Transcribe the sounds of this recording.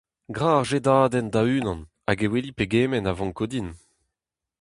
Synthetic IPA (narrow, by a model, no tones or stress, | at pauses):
ɡʁaːʁʒed̪aːd̪ɛnd̪ayːnɑ̃n | aɡewelipeɡeːmɛnavɑ̃ŋkod̪in